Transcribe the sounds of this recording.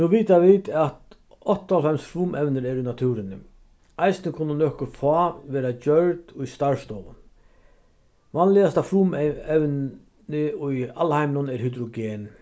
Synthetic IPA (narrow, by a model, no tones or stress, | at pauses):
nuviːt̪avit̪at̪ | ɔt̪ːalfɛmsfɾuːmʔɛvnɪɾɛɾʊjnat̪ʰuːɾɪnɪ | ajsnɪkʰʊnːʊnœːhkʊfɔːʋɛːɾat͡ɕœɹt̪ʊjst̪aɹst̪ɔːʊ̰n | ʋanlɪast̪afɾuːmɛwn | ɪʊja̰lhajmnʊnɛɾhʏd̪ɾʊɡeːn